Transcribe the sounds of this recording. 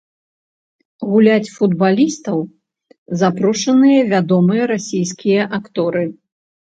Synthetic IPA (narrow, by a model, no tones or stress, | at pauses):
ɣulʲat͡sʲfud̪balʲist̪ɐw | zapɾɔʂɐnɨjɐvʲad̪ɔmɨjɐɾasʲijskʲijɐʔakt̪ɔɾɨ